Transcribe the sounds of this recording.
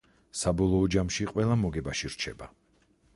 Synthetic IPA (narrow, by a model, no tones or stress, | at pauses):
sabɔlˠɔːd͡ʒamʃiqʼwɛlˠamɔɡɛbaʃiɾt͡ʃʰɛ̰ba